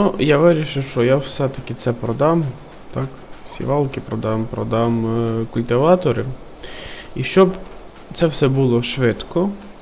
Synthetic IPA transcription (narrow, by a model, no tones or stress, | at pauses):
nujaʋɪɾʲiʃɪwʃt͡ʃɔjawsɛt̪ɐkʲɪt̪sɛpɾɔd̪ɑm | t̪ɑksʲḭʋɑlˠkɪpɾɔd̪ɑmpɾɔd̪ɑmkʊlʲt̪ɪʋɑt̪ɔɾɪ | iʃt͡ʃɔb | t̪sɛwsɛbulˠɔʃʋɪd̪kɔ